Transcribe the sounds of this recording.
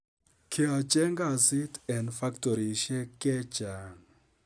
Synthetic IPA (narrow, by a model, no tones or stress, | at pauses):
kʰiat͡ʃɛŋɡasitɛ̃ndfaktɔɾiʃɛkɛd͡ʒaŋ